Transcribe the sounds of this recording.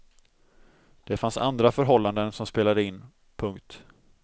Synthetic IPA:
d̪̥ɛfansa̰nd̪ɾafœɾɦɔlːand̪ənsɔmspeːlad̪əɪnː | pʰɵŋkt̪

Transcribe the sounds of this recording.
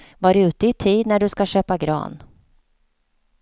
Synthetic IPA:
vaɾʉ̟ːt̪əɪt̪ʰiːd̪næɖɵskaɕøːpaɡɾɑ̰ːn

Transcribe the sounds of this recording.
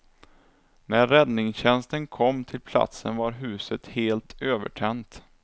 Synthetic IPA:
næɾːɛd̪nɪŋɕɛnst̪ənkʰɔmːt̪ʰɪlpʰla̰t̪sənvaɾɦʉ̟ːsət̪heːlt̪ʰøːvə̰ʈʰɛnt̪

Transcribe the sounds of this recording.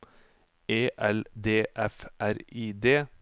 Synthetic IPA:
eːʔɛld̪eːʔɛfʔæɾiːd̪eː

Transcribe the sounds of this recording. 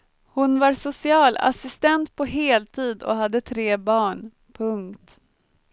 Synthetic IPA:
hʊnvaɾsʊsɪɑːla̰sɪst̪ɛnt̪pʰɔɦeːlt̪ʰiːd̪ɔ̰ɦad̪ːət̪ʰɾeːbɑːɳ | pʰɵŋkt̪

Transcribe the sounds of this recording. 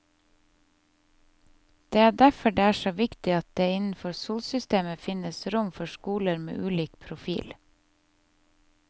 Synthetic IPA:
d̪̥eːæːɖæfɔɖeːæːʃoːʋɪkt̪ɪɑt̪̚d̪eːɪnn̩fɔɾsuːlsʏst̪eːməfɪnəsɾʊmfɔʃkuːləɾmḛːʔʉːliːkpʰɾʊfḭːl

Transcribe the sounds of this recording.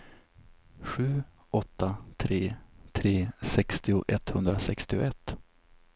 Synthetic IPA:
ɧʉ̟ː | ʔɔt̪ːat̪ʰɾeːt̪ʰɾeːsɛkst̪ɪʊʔɛt̪hɵnd̪ɾasɛkst̪ɪʊ̰ʔɛt̪ː

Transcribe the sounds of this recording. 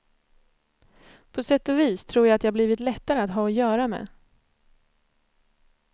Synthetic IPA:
pʰɔsɛt̪ːɔviːst̪ʰɾuːɾjaat̪jahabliːvɪt̪lɛt̪ːaɾəat̪ɦɑːɔjœːɾamḛː

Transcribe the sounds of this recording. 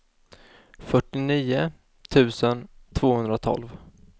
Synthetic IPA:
fœʈːɪniːʊ | t̪ʰʉ̟ːsənt̪ʰvoːhɵnd̪ɾat̪ʰɔ̰lv

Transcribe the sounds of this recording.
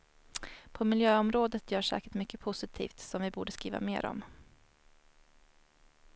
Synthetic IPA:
pʰɔmɪljøːɔmɾoːd̪ət̪jœːʂɛ̰ːkəʈmʏkːəpʰʊsɪt̪ʰḭːft̪sɔmvɪbuːɖəskɾḭːva̰meːɾɔ̰m

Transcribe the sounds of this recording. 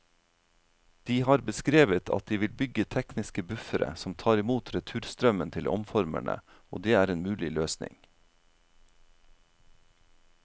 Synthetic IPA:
d̪̥iːhɑːɾbəskɾeːʋət̪ʰɑ̰t̪̚d̪iːʋɪlbʏɡət̪ʰɛknɪskəbʉfəɾə̰sɔmt̪ʰɑːɾɪmuːt̪ʰɾɛt̪ʰʉːɾst̪ɾœmənt̪ʰɪlʔɔ̰mfɔɾmæ̰ɳə̰ | o̰ːd̪eːæːɾeːnmʉːlɪløːsnɪ̰ŋ

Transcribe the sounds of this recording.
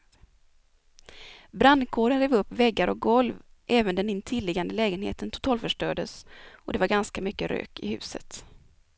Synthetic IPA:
bɾand̪kʰoːɖənɾeːvɵpːvɛɡːaɾɔk̚ɡɔlvʔɛːvənd̪ɛnɪnt̪ʰɪlːɪɡand̪əlɛːɡənhḛːt̪ənt̪ʰʊ̥t̪ʰɑːlfœʂʈøːɖəsɔd̪ɛvaɾɡanskamʏkːəɾø̰ːkɪ̰hʉ̟̰ːsə̰t̪

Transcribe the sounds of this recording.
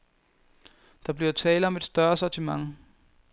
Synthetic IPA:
d̥ɑ̈b̥liɐt͡sʰɛːləɒ̽me̝d̥sd̥ɶɐsɒt͡sʰimɑ̈ŋ

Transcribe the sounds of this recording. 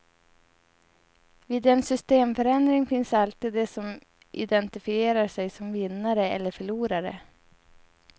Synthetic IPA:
viːd̪ɛnsʏst̪eːmfœɾɛnd̪ɾɪŋfɪnsalt̪iːd̪ːɛsɔm | ʔɪ̰d̪ɛnt̪ɪfɪeːɾaʂɛjsɔmvɪnːaɾəɛ̰lːəɾfœɭuːɾaɾə̰

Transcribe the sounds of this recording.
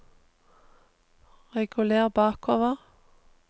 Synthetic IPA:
ʁɛɡʉleːʁbɑːkʰoːʋəʁ

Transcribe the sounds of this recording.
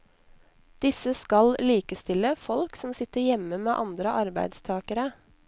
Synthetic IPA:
d̪̥ɪsəskɑlliːkəst̪ɪləfɔlksɔmsɪt̪əɾjɛməmeːʔɑnd̪ɾəʔɑɾbæɪd̪st̪ʰɑːkəɾə

